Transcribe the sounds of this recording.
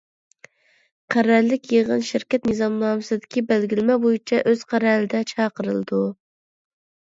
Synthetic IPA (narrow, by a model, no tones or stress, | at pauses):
qʰæɾɛɾlːɪkʲjeʁənʃɪɾkʲɛt̪nɨzɑmnɑːmɨsɨd̪ɪkʲʰibælɡʲilɪmɛbojit͡ʃʰɛʔøz̥qʰæɾɛlɪd̪ɛt͡ʃʰɑːqəɾɨ̰lˠɨd̪u